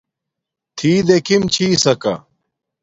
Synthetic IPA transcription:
t̪ʰiːd̪ekʰimt͡ɕʰiːsɐkɐ̰

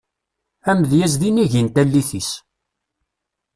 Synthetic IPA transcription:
æmðjæzðiniʝint̪ælːiθis

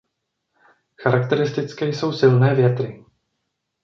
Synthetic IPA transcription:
xaɾakt̪ɛɾɪst̪ɪt͡skɛːjso̞wsɪlnɛːvjɛt̪ɾɪ

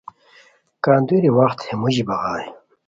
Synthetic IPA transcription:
kaːnd̪uɾiwɐxt̪hemuʑibɐɣaːj

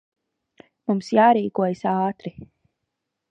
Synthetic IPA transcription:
mumsjaːɾiːkuɔjsɑːt̪ɾi

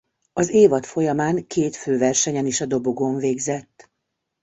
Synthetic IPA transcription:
ɒzeːvɒt̪fo̞jɒmaːŋkeːt̪føːvɛrʃɛɲɛniʃɒd̪o̞bo̞ɡo̞ɱveːɡzɛt̪ː

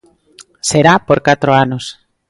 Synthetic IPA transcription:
seɾapoɾkat̪ɾoanos

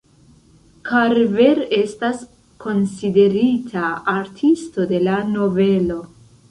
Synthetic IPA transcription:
kʰaɾveɾe̞stas | kʰo̞nside̞ɾitʰaːɾtʰisto̞de̞lano̞ve̞lo̞

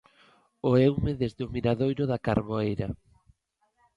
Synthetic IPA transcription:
oewmeðezðɪʊmiɾaðojɾʊðakaɾβoejɾa

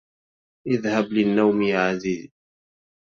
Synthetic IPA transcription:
ʔɪðhablɪnːawmjʕaziːz

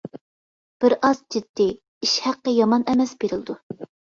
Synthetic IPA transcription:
b̥ɪɾɑzd͡ʒid̪ːi | iʃhæqːəjɑmɑnɛmɛsbeɾɪld̪u

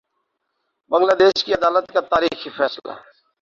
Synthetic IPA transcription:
bə̃ŋɡlaːd̪eːʃkiɐd̪aːlət̪kat̪aːɾiːxifɛːsla̰

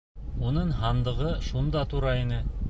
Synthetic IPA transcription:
unɤɴɦɑnd̪ɤ̆ʁɤʃund̪ɑt̪uɾɑinɘ

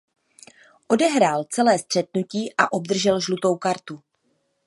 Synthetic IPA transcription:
ʔo̞dɛɦɾaːlt͡sɛlɛːst̪r̝̥ɛt̪̚nuciːʔaʔo̞b̚d̪r̩ʒɛlʒlut̪o̞wkaɾt̪u

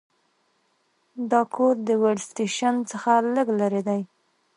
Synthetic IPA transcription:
d̪ɑkʰoɾd̪əwaɽsʈeʃant͡səxaləɡlaɾed̪aj

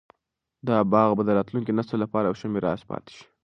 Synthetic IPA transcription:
d̪ɑbɑɣbad̪əɾɑt̪luŋkenast̪olapɑɾawʃameɾɑspɑ̰t̪e̥ʃi̥

